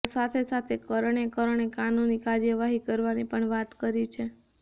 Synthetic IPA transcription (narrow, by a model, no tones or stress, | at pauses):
sat̪ʰesat̪ʰekəɾəɳekəɾəɳekanunikaɾjəʋaɦikəɾʋanipəɳʋat̪kəɾit͡ʃʰe